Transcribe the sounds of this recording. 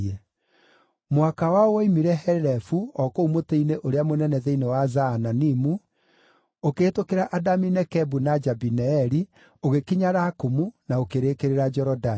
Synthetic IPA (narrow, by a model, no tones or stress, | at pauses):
ɛ | mwakawawɔimiɾɛɦɛɾɾɛfuɔkoumoteineʔoɾeamonɛnɛðeinewazaːnanimu | okeːtokeɾaʔadaminɛkɛbunad͡ʒabinɛɛɾi | oɣekiɲaɾakomunaokeɾekeɾeɾad͡ʒɛɾɔda